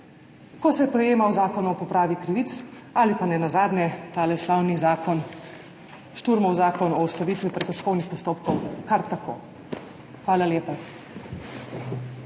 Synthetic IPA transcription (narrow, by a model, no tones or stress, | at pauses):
kɔsɛpɾɛjeːmawzaːkɔnuɔpɔpɾaːʋikɾiʋit̪s | alipanɛnazaːd̪nʲjɛt̪aːlɛslaːwnizaːkɔn | ʃt̪uɾmɔwzaːkɔnɔust̪aʋiːt̪ʋipɾɛkɔʃkɔwnixpɔst̪oːpkɔwkaɾt̪ako̰ː | xʋaːlaljeːpa